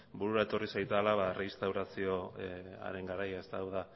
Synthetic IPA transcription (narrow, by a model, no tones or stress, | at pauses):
buɾuɾae̞t̪o̞risajt̪alaβareist̪awɾasio̞a̰ɾe̞ŋɡaɾajaest̪aːwða